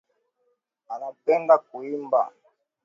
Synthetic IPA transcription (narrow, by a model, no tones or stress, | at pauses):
anapɛndak̚uimba̰